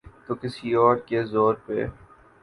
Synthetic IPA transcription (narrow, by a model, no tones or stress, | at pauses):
t̪oːkɪsiɔːɾkezoːɾpḛ